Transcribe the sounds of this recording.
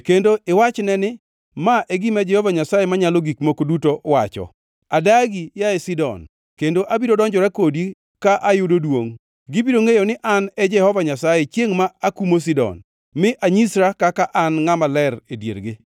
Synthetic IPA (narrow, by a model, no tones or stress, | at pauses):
kendoʔɪwat͡ʃnɛnɪ | maʔeɡimad͡ʒɛhɔvaɲasajemaɲalɔɡikmokodutowat͡ʃɔ̰ | adaɡijaesidɔ̰n | kendoʔabidodɔɲd͡ʒɔɾɛkodi | kaʔajʊdodwoŋ | ɡɪbidoŋejonɪʔanɛd͡ʒɛhɔvaɲasajet͡ʃjeŋmaːkumos̬idɔ̰n | mɪʔaɲisɾakakaʔanŋamalɛɾedjḛrɡɪ